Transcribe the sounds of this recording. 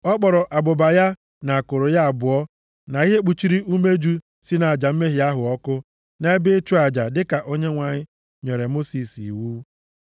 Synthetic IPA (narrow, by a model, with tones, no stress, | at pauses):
ɔ˦k͡pɔ˨ɾɔ˨ʔa˨bʊ˨ba˨ja˦ | na˨a˨kʊ˨ɾʊ˨ja˦a˨bʊ˨ɔ˦ | na˨i˦ɦe˦k͡pu˨t͡ʃi˦ɾi˦ʔu˦me˦d͡ʒu˦ | si˦na˨a˨d͡ʒa˨m̩˦me˦ɦɪ˨a˦ɦʊ˨ɔ˦kʊ˦ | ne˦e˦bɪ˦t͡ʃu˦a˨d͡ʒa˨dɪ˦ka˨ʔo˦ɲe˦ŋʷa˨ɲɪ˦ | ɲe˨ɾe˨mo˦si˨sḭ˨wu˦